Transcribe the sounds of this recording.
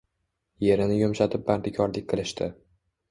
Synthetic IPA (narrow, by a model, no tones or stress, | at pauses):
je̞ɾɪnɪjomʃat̪ʰɪp̚baɾd̪ɪkʲʰɒɾlɪkʲqʰɨlˠɪʃt̪ʰɪ